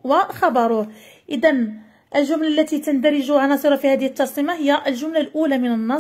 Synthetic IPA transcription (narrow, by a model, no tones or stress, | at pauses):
wəxɑbɑɾˤu | ʔəd̪æn | ʔəlʒʊmlalːæt̪it̪ənd̪æɾɪʒuʕanɑsˤɨɾˤɑfihæd̪əhət̪ːɑɾˤsəmahəjːæʔəlʒʊmlalʔulæmɪnənːɑˤ